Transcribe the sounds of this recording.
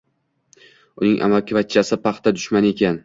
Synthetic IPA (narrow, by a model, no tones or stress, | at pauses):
ʊnɪŋʔa̰malkʲɪvat̪̚t͡ʃʰːasɪpɑχt̪ʰad̪ʊʃmane̞kʲan